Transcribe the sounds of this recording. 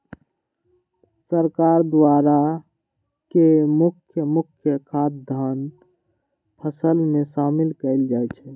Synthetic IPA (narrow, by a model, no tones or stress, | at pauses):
səɾkaɾd̪waɾa | kemʊkʰjəmʊkʰjəkʰat̪̚d̪ʱan | pʰəsəlmesamɪlkəɪld͡ʒajt͡ʃʰɛ